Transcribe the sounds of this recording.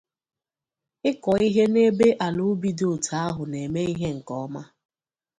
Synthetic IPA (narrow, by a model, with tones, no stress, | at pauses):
ɪ˦kɔ˨i˦ɦe˦ne˦be˦ʔa˨lu˦bi˦dʊ˨tʰa˨˦a˦ɦʊ˨ne˨me˦i˦ɦe˦ŋ̩˨kɔ˦ma˦